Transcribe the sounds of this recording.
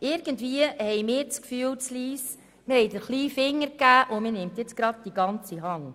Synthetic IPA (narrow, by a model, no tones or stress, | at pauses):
ʔɪɾɡ̥əndviəhɛjmɪːɾt͡skfyːəlt͡sliːs | mɪɾhɛɪd̪əɾχliːfɪŋːəɾkæːʔʊmənɪmt̪jɛt͡sɡ̥ɾɑd̥̚d̥iɡɑnt͡siɦɑŋ